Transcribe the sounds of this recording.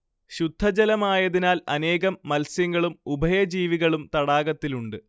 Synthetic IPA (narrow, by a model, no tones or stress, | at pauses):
ɕud̪ʱːɐd͡ʑɐlɐmaːjɐðinaːlɐne̞ːɣɐmːɐlsjɐŋːɐɭumubʱɐjɐd͡ʑiːʋiɣɐɭumt̪ɐɽaːɣɐt̪ːiluɳɖɨ